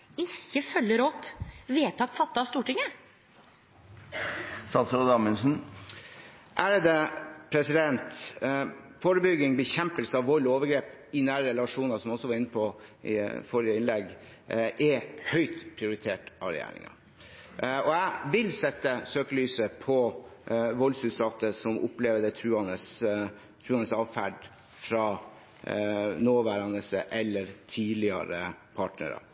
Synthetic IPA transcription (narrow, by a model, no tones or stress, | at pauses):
ɪçːəfœlːəɾɔpːʋeːt̪ʰɑt̪fɑt̪ːɑst̪uːʈɪŋːə | sɑt̪səd̪ɑmənsn̩ | ʔæɾəd̪əpʰɾɛsɪd̪ɛnt̪ | fɔɾəbʏɡːɪŋbəçɛmpəlsəɑʋɔloːʋəɡɾeːpɪnæːɾəɾɛlɑʂuːnɑsɔmɔsɔʋɑɾɪnːəpʰɔɪ̰fɔɾɪjəɪnlɛɡ | ʔɛhœʏt̪pʰɾɪʊɾɪt̪ʰeːʈɑʋɾɛ̰jæ̰ːɾɪ̰ŋɑ̰ | ɔæʋɪlsɛt̪ːəsøːkəlyːsəpʰɔ | ʋɔlsʉːd̪sɑt̪əsɔmʔʊ̰pleːʋd̪ət̪ʰɾʉːɑnəs | t̪ʰɾʉːɑnəsɑːʋfæɖ | fɾɑː | noːʋæːɾɑnəsəʔɛlːəɾt̪ʰiːlɪɑ̰ɾə̰pʰɑːʈnə̰ɾɑ̰